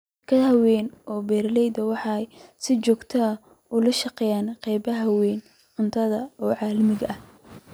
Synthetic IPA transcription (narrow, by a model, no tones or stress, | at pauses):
kʰɐðhɐwɛːnʔɔːbɛːɾlɛjd̪ɐwɑħɑjsɪt͡ʃɔːɡt̪ʰɐɐ | ʊlɐʃɑqɛːjaːnqɛjbɐɦɐwɛːn | ʕʊnt̪ʰɐðɐɔːʕɑːlɐmɪɣɐʔɐh